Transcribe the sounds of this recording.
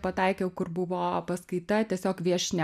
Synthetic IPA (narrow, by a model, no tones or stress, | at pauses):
pɐt̪ɑɪkʲɛʊkʊrbʊʋoːpɐskɐɪt̪ɐt̪ʲiɛsʲoːkʋʲiɛʃʲnʲɛ